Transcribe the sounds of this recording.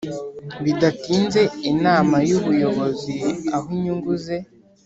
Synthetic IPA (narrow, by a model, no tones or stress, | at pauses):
βidatiːnze̞inaːmajuβujo̞βo̞ziaɦuɲuŋɡuze̞